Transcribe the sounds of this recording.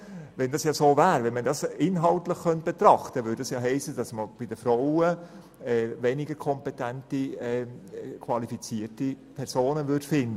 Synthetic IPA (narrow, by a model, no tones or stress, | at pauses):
ʋɛndɑsjɑsoːvæːɾʋɛnmədɑsɪnɦɑltləχkœnt̚b̥et̪ɾɑχtəʋʏːdɑsjɑːɦɛɪsəd̥ɑsməb̥ɪdəfɾoʊə | ɛːvɛnɪɡəɾkʰɔmpetæntiɛkʰʋɑlifit͡siːəɾti | pʰɛɾsoːnəvʏd̥fɪndə